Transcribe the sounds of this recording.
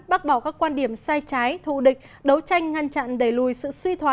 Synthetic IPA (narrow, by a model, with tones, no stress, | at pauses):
ɓa˦˥t̚ɓɔ˧˩kaː˦˥kːwaː˧nɗi˧˩əmsaː˧jt͡ɕaː˨˦jt̪ʰṵ˧˨ɗï˨˩k̟̚ | ɗə˨˦wt͡ɕa˧jŋ̟ŋa˧ŋt͡ɕa̰ː˧˨nɗe˧˩lu˨˩jsɨ̰˧˨swi˧t̪ʰwaː˨˦